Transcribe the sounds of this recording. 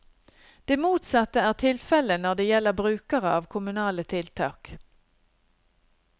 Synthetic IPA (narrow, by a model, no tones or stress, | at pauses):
d̪̥eːmuːt̪sɑt̪əæːʁt̪ʰɪlfɛlənɔd̪eːjɛlːəʁbʁʉːkəʁəɑːʋkʰʊmʉnɑːlət̪ʰɪlt̪ʰɑ̰ːk